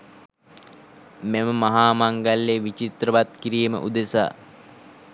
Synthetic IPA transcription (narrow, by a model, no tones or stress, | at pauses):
meməmaɦaːmaŋɡalːeʋit͡ʃit̪rəʋat̪̚kiɾiːmə̰ʔud̪esa̰ː